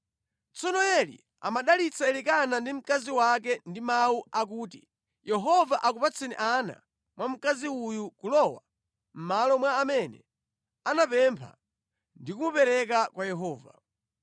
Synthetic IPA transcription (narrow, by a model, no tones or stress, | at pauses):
t͡sɔnɔjɛlḭ | a̰maɗalit͡saɛlikanandim̩kaziwak̬ɛndimauʔak̬uːtḭ | jɛɦɔvaʔakupat͡sʰinḭʔana̰ | mwam̩kaziujukulɔwa̰ | m̩malɔmwaːmɛnɛ̰ | anapɛmpʰa̰ | ndikumupɛɾɛk̬akwajɛɦɔːva̰